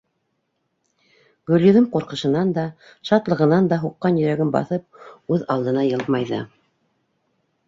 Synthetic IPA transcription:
ɡɵ̆lʲjɵ̆ðɤmqŭɾqɤ̆ʃɤ̆nɑnd̪ɑ | ʃɑt̪lˠɤ̆ʁɤ̆nɑnd̪ɑɦuqːɑnjɵ̆ɾæɡɘnbɑ̰θɤp̚ʉðɑlˠd̪ɤ̆nɑjɤlˠmɑjðɤ̰

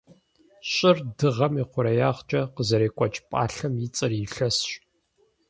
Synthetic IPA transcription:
ɕʼɪrdɨʁɐmiqʷʊɾɐjaːʁt͡ʃʼɐqəzɐɾeːkʷʼɔt͡ʃʼpʼa̰ːɬɐmjɪt͡sʼɨriɬɐsɕʼ

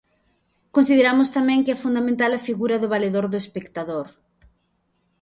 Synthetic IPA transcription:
konsiðeɾamʊst̪amɛ̃ŋkɪɛfund̪amẽnt̪̬alɐfiɣuɾɐðʊβaleðoɾðʊespekt̪aðoɾ

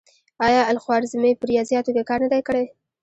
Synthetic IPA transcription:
ɑjɑalxwɑɾzɪmepəɾijɑzjɑt̪okekɑɾnad̪ajkəɽaj

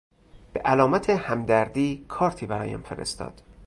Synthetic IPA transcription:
b̥eʔælɒːmæt̪ʰehæmd̪æɾd̪iːkʰɒːɾt̪ʰiːbæɾɒːjæ̰mfeɾḛst̪ɒ̰ːd̪̥

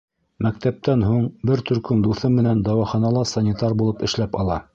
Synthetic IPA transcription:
mæk̚t̪æp̚t̪ænɦuɴbɘɾt̪ɵ̆ɾkɵmd̪uθɤmmɘ̆nænd̪ɑwɑχɑnɑlˠɑsɑnʲit̪ɑɾbulˠɤpɘ̆ʃlæpɑlˠɑ̰

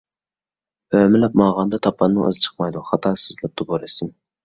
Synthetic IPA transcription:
ømɪlɛp̚mɑʁɑnd̪ɑt̪ʰɑpʰːɑnːɨŋə̰zɨt͡ʃʰə̥qmɑjd̪uχɑt̪ʰɑːsɨzlɛp̚d̪uboɾɪsɪn

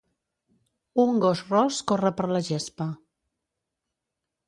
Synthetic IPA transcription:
uŋɡosrɔskorəpəɾləʒespə

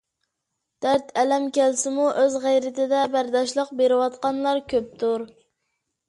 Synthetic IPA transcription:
d̪̥æɾt̪ʰɛlɛmkʲælsɪmuʔøzʁæjɾɪt̪ʰɪd̪ɛbæɾd̪ɑʃlˠəq̚beɾɪwɑt̪̚qɑnlˠɑɾkʲʰøp̚t̪ʰuɾ

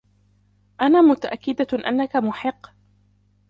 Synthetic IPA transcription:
ʔanaːmʊt̪aʔakːɪd̪aʔa̰nːakamʊħɪqː

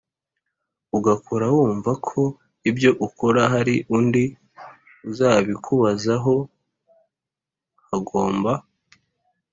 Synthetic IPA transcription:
uɡakʰoɾawuːɱvakʰo̞ | ibjo̞ʔukʰo̞ɾaɦaɾiʔundi | uzaːβikʰuβazaɦo̞ | haɡo̞ːmba

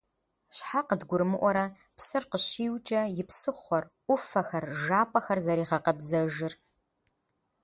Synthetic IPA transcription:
ɕħaqədɡʷʊɾmɨʔʷɔɾɐ | psɨrqəɕiːwt͡ʃʼɐjɪpsɨχʷɔrʔʷʊfɐxɐrʒaːpʼɐxɐrzɐɾiːʁɐqɐbzɐʒɨr

